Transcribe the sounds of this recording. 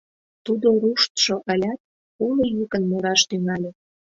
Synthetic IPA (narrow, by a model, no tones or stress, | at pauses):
t̪ud̪oɾuʃt̪ʃoʔəlʲɑt̪̚ | ulojykənmuɾɑʃt̪yŋɑlʲe